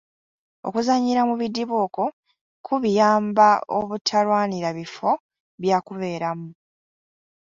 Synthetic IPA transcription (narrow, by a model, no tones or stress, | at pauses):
o̰kuzaɲːiɾamuβidːiβuːko | kʰuβijaːmbaoβutʰalwaːniɾaβifo̞ | βjaːkuβe̞ːɾamu